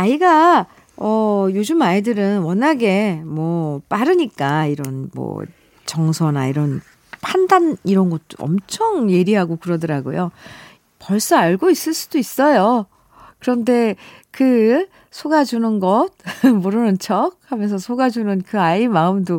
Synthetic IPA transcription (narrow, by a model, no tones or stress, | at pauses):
aiɡa | ʌjod͡ʑɯmaidɯɾɯnwʌnaɡe̞mwʌp͈aɾɯɲik͈aiɾʌnmʌ̰ | t͡ɕʌŋsʰʌna̰iɾʌn | pʰandaniɾʌnɡʌt̚t͈o̰ʌ̰mt͡ɕʰʌŋje̞ɾiɦaɡokɯɾʌdɯɾaɡo̰jo | pʌɭs͈ʌaɭɡois͈ɯɭs͈u̥dois͈ʌjo | kɯɾʌnde̞kɯ | sʰoɡad͡ʑunɯnɡʌt̚mʌɾɯnɯnt͡ɕʰʌk̚hamjʌns̬ʰʌsʰoɡad͡ʑunɯnkɯaimaɯmdo